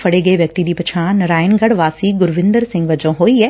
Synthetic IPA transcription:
fʰɐɽeɡɐeʋjɐk̚t̪id̪ipɐt͡ʃʰaːnɐɾaːjənɡɐɽʋaːsiːɡʊɾʋɪ̃nd̪əɾsɪ̃ŋɡʋɐd͡ʒõɦoːiɦɛː

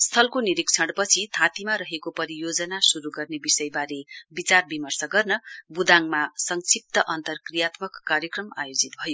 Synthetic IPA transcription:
st̪ʰʌlkoniɾikt͡sʰʌɽpʌt͡sʰit̪ʰat̪imaɾʌɦekopʌɾijod͡zʌnasuɾuɡʌrnebisʌjbaɾebit͡sarbimʌrsʌɡʌrnʌbud̪aŋmasʌŋsip̚t̪ʌʔʌnt̪ʌrkrijat̪mʌkːarjʌkrʌma̰jod͡zit̪̚bʱʌjo

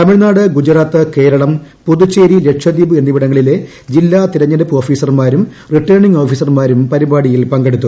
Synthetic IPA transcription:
t̪ɐmiɻnaːɽɨɡud͡ʑɐɾaːt̪ːɨke̞ːɾɐɭɐm | puðut͡ɕːeːɾile̞kʂɐd̪iːbɨenːiʋiɽɐŋːɐɭile | d͡ʑilːaːt̪iɾɐɲːɐɾɐpːo̞ːfiːsɐrmaːɾum | riʈːɐɳiŋɡo̞ːfiːsɐrmaːɾumpɐɾibaːɽijilpɐŋɡe̞ɽut̪ːu

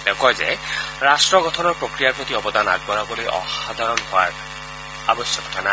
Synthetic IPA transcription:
d̪ɛkʰɔjzɛ̰ɹasʈɹɔɡɔtʰɔnɔɹpɹokɹijapot̪iɔbɔd̪ʱana̰ɡ̚bɔɹabɔlojʔɔ̰xad̪ʱaɹɔnɦʊaɹ | abɔsjɔkʰɔ̥tʰana

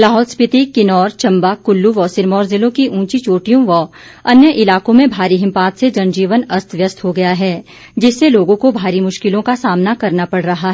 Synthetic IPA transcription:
laːɦɔːlspɪt̪ikɪnɔːɾt͡ʃɐ̃mbakʊlːuʋɔːsɪɾmɔːɾzɪlõkiʔũːt͡ʃit͡ʃoːʈijõʋɔ | ɐnjəʔɪlaːkõmẽbʱaːɾiɦɪ̃mpaːt̪sed͡ʒɐnd͡ʒiːʋənɐst̪ʋjəst̪ɦoɡɐjaɦɛː | d͡ʒɪsːeloːɡõkobʱaːɾimʊʃkɪlõkasaːmnakɐɾnapɐɽ̤ɾɐɦaɦɛː

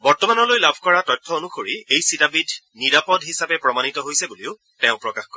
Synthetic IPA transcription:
bɔɹtɔmanɔlojlabʱkɔɹatɔjtʰːɔonuxoɹiejsitabidʱ | niɹapɔdɦisapɛpɹɔmanitɔɦojsɛbuliʊ | tɛ̃ʊ̃pɹɔkaxkɔɹɛ

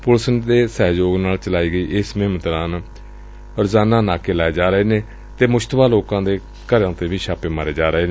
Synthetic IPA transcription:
pʊlsənd̪eːsɛːd͡ʒoːɡnaːlt͡ʃəlaːiːɡəiːʔɪsmɪɦɪmət̪ɾaːn | ɾʊzaːnãːnaːkeːlaːeːd͡ʒaːɾəɦeːnẽː | t̪eːmʊʃt̪baːloːkãːd̪eː | kəɾjãːt̪eːʋiːʃaːpeːmaːɾeːd͡ʒaːɾəɦeːneː

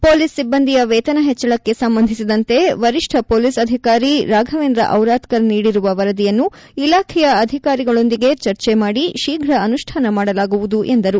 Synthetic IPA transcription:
po̞ːlisːibːɐnd̪ijɐʋɛːt̪ɐnɐɦɛt͡ʃːɐɭɐkːe̞sɐmbɐnd̪ʱisid̪ɐnt̪e̞ʋɐɾiʂʈʰɐpoːlisɐd̪ʱikaːɾiɾaːɡʱɐʋeːnd̪ɾɐ̰ʔɐwɾaːt̪kɐɾɐniːɽiɾuʋɐʋɐɾɐd̪ijɐnːu | ilaːkʰɛjɐːd̪ʱikaːɾiɡɐɭo̞nd̪iɡe̞t͡ʃɐɾt͡ʃemaːɽiʃiːɡʱɾɐɐnuʃʈʰaːnɐmaːɽɐlaːɡuʋud̪uʔend̪ɐɾu

